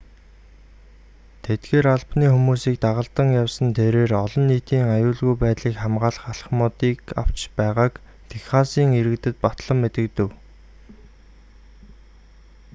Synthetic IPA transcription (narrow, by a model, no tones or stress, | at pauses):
t̪ʰet̪ɡeːɾaɮpniːxumuːsiːk̚t̪aʁə̆ɬt̪ə̆ŋjawsə̆nt̪ʰeɾeːrɔɮɞ̆nːiːt̪iːŋajʊːɮɣujpæːt̪ɮiːkχæmɢaːɮə̆χaɬ̆χmɔːt̪iːka̰w̥t͡ɕpæːʁaːk | t̪ʰexχaːsiːŋeɾɘ̆kt̪ɘ̆t̪̚pat̪ɮə̆mːet̪ɘ̆kt̪ɘ̆w